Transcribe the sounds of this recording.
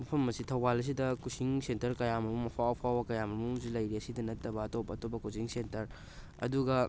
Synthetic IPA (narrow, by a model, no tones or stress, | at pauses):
mɐpʰɐmːɐsitʰɐwbalɐs̬idɐkusiŋsentɐɾkɐjamɐmumɐpʰawpʰawbɐkɐjamɐmuusilɐjɾiɐsidɐnɐtːɐbɐːtopːɐːtopɐkusiŋsentɐɾ | ɐ̰duɡɐ